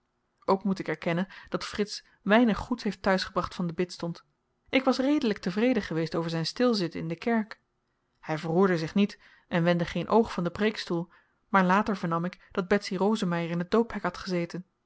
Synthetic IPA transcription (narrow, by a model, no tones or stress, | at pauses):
ʔowkmutɪkɛɹkɛnənd̥ɑtfrɪts | ʋɛjnəχutɦejftœɥsχəbrɑχtfɑndəbɪtstɔnt | ʔɪkʋɑsrejdələk̚təvrejdəχəʋejstowvəɹzɛjnstɪlˠzɪtɪ̰ndəkɛɹk | hɛjvərɦuːɹdəzɪχnit | ʔɛnʋɛndəχejnʔowχfɑndəprejkstulˠ | maːɹlaːtəɹvəɹnɑmɪkd̥ɑd̚bɛtsirowzəmɛjərɪnɦəd̚dowpɦɛkɦɑtχəzejtən